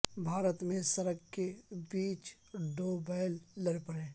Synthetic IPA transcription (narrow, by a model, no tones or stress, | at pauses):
bʱaːɾət̪mẽsəɾəɡkebiːt͡ʃ | ɖoːbaːɪlːəɾpəɾẽː